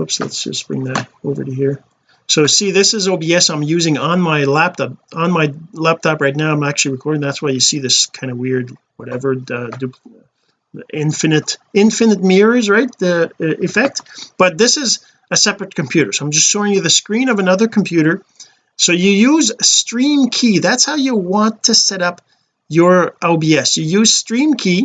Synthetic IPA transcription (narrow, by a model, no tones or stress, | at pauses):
hoʊpslə̰tsd̥ʒ̥ʌ̰sb̥ɹɪ̰̃ŋðɨɾoʊvə̰˞ɾɨɦiɹ | soʊsiðɪsɨzoʊbiɛsãɪ̃mjʉzɪ̃ŋə̃nmaɪlæp̚tʰɑp̚ə̃nmaɪlæp̚tʰɑpɹaɪtⁿnaʊãɪ̃mæk̚t͡ʃʉl̩ˠiɹɨkʰɔɹɾɪ̃ŋðætswaɪjɨsiðɪskʰãɪ̃ndəwɪɹd̚wʌɾɛvə˞dʉp | ɪ̃ɱfɨnɨɾɪ̃ɱfɨnɨt̚mɪɹəzɹaɪt̚ɪfɛk̚t̚b̥ʌt̪̚ðɪsɪz | ɨsɛpɹɨt̚kʰɨ̃m̩pʰj̥ʉɾə̰˞soʊãɪ̃md͡ʒʌstsʃoʊɪ̃ŋjɨðɨskɹĩnʌvənʌðə˞kʰm̩pʰj̥ʉɾə˞ | soʊjɨjʉzstɹ̥ĩmkʰiðætshaʊjɨwɑ̃ntʰɨsɛɾʌp | jə˞ʔoʊbiɛsjɨjʉz̥stɹ̥ĩmkʰi